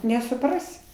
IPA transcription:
nʲɛsʊˈprɑːsʲɪ

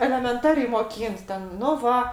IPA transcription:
ɛlʲɛmʲɛnˈtɑːrʲɛɪ moːˈkʲiːnt tʲɛn nʊ ˈʋɐ

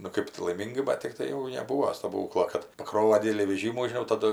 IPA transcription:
nʊ ˈkɜp tʊ lˠɐɪˈmʲiːŋɡɐɪ ˈbɐt tʲɪkˈtɐɪ jɛʊ nʲɛˈbuːoː stɐˈbuːklˠoː kɐt pɐˈkroːʋɐ ˈdʲɪdʲɛlʲiː ʋʲɛˈʒʲiːmuː ʒʲɪˈnɐʊ ˈtɑːdʊ

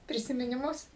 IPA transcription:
pʲrʲɪsʲɪmʲɪnʲɪˈmʊs

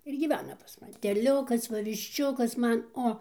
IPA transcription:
ɪr ɡʲiːˈʋʲæːnɐ pɐs mɐˈnʲɪ tʲɛˈlʲʊkɐs ˈʋɐ ʋʲɪʃʲˈt͡ʃʲʊkɐs ˈmɐn ˈoː

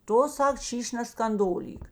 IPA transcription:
ˈtʊ ˈsɐk ˈʃʲiːʃʲ nʲɛskɐnˈdoːlʲiːk

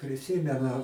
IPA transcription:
pʲrʲɪˈsʲiːmʲɛnʊ

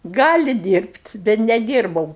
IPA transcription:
ˈɡɑːlʲɪ dʲiːrʲpʲtʲ bʲɛt nʲɛˈdʲiːrbɐʊ

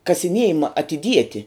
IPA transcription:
kɐsʲɪˈnʲiɛjɪmɐ ɐtʲɪˈdʲiɛtʲɪ

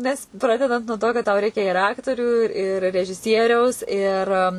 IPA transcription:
nʲɛs ˈprɑːdʲɛdɐnt nuɔ toː kɐt tɐʊ ˈrʲɛɪkʲɛ ɪr ˈɑːktoːrʲuː ɪr rʲɛʒʲɪˈsʲiɛrʲɛʊs ɪr

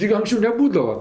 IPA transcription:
ˈtʲɪk ɐŋksʲˈt͡ʃʲɛʊ nʲɛˈbuːdɐʋɐ

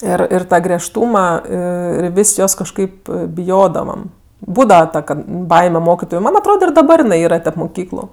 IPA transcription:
ˈɪr ɪr ˈtɑː ɡrʲiɛʃˈtuːmɐ ˈɪr ɪr ˈʋʲɪsʲ ˈjoːs kɐʃˈkɐɪp bʲɪˈjoːdɐʋɐm ˈbuːdɐʋɐ ˈtɐ kɐt ˈbɐɪmʲɛ ˈmoːkʲɪtoːjʊ ˈmɐn ɐtˈroːdɐ ɪr dɐˈbɐr jɪˈnɐɪ ˈiːrɐ tʲɛp mʊˈkʲiːklˠʊ

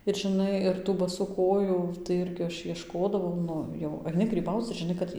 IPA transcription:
ɪr ʒʲɪˈnɐɪ ɪr tuː bɐˈsuː koːˈjuː tɐɪ ˈɪrʲɡʲɪ ˈɐʃ iɛʃˈkoːdɐʋɐʊ ˈnʊ jɛʊ ɐɪˈnʲɪ ɡrʲiːˈbɐʊt͡s ɪr ʒʲɪˈnɐɪ kɐt ˈjɪ

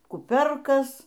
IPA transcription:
kʊˈpʲoːrkɐs

